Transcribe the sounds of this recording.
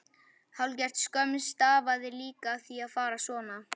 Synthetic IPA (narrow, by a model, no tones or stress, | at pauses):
halcɛr̥t̪skœmɪst̪aːvaðɪɾliːkaθiaðfaːɾasvɔːna